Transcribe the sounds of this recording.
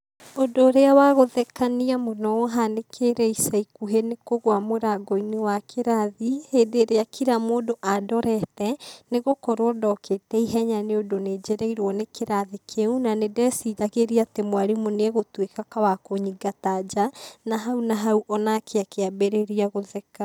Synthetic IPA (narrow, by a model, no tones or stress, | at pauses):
odoːɾeawaɣoðɛkaniamonɔɔɦanekʰeɾɛisaikuɦenekoɣwamoɾaɡɔinewakʰeɾaðiheːdeɾeakiɾamoːdoʔadɔɾɛtɛneɣokɔɾwɔdɔketɛiɦɛɲaneodoned͡ʒeɾɛiɾwɔnekʰeɾaðikʰeunanedɛsiðaɣeɾiatemwaɾimonɛɣotwekakawakoɲiɡatad͡ʒanaɦaunaɦauʔɔnakʰeakeabeɾeɾiaɣoðɛka